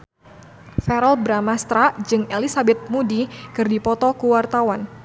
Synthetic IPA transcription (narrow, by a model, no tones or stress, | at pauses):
fɛɾɔlbɾamast̪ɾad͡ʒɨŋelisabɛt̪̚mudikɨrdipɔt̪ɔkuwart̪awan